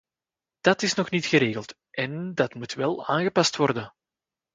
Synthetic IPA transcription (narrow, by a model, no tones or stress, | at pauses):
d̥ɑtɪsnɔxnitxəɾeːɣəlˠt | ʔɛndɑtmutʋɛlˠa̰ːnɣəpɑstwɔrdən